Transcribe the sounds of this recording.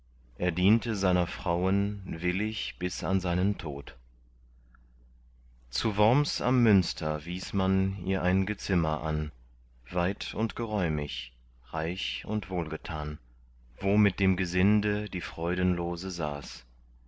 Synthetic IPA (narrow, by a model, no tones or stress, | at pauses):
ʔeːɐdiːntəzaɪnɐfʁ̥aʊənvɪlɪçb̥ɪsa̰nzaɪnəntʰo̰ːt | t͡suːvɔɐmsa̰mːʏnstʰɐviːsmanḭːɐʔaɪnɡət͡sɪmɐ̰ʔa̰n | vaɪtʊntɡ̥əʁɔʏmɪ̰ç | ʁaɪçʊntv̥oːlɡətʰaːn | voːmɪt̚d̥eːmɡəzɪndədiːfʁ̥ɔʏdən̩loːzəza̰ːs